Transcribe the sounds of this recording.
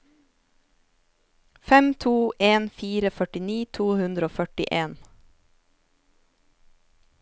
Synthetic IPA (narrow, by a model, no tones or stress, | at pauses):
fɛmt̪ʰuːʔeːnfiːɾəfœʈɪniːt̪ʰuːhʉnd̪ɾoːfœʈɪ̰ʔeːn